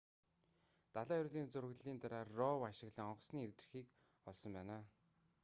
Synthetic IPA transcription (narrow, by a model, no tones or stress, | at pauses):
t̪aɮaːjʊɮiːnt͡sɵrɣɮiːnt̪aɾaːrːɔwaʃɪ̆ɣɮĭŋɔqsniːewt̪rɘ̆xiːk | ɔɮsɞ̆mpæːnaː